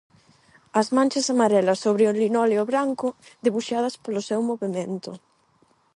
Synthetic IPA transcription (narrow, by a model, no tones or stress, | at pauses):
ɐzmãnʲt͡ʃɐsamaɾɛlɐsːoβɾɪʊlinɔleʊβɾaŋkʊðeβuʃað̞ɐspolʊsɛwmoβemẽnt̪ʊ